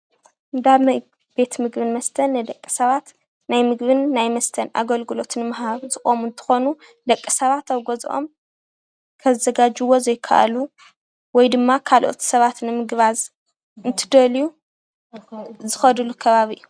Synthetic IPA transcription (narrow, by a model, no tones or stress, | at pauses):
ʔɨnd̪aβnaj | b̥e̞t̪mɨɡbɨnmɐst̪ʰɐnːɨjd̪ɐkʼːi̥sɐβat̪ | najmɨɡβɨnːajmɐst̪ʰɐnʔa̰ɡɐlɡɨlo̞t̪ʰɨnmɐɦaβzɨxʼomunt̪ʰɨ̥xo̞nu | d̪ɐkʼːisɐβat̪awɡozʔo̞̰m | kʰɐzɐɡad͡ʒɨwo̞zɐjɪkʰːa̰ʔa̰lu | wɔjd̪ɨmːakʰalʔo̞̰t̪ʰsɐβat̪nɨmɨɡβaz | ɨnt̪ʰɨd̪ɐliju | zɨxɐd̪ɨlukʰɐβaβiʔju